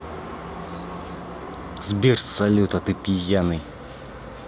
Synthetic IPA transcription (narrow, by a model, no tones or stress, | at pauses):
zbʲirsɐlʲut̪ɐt̪ɨpʲijanɨj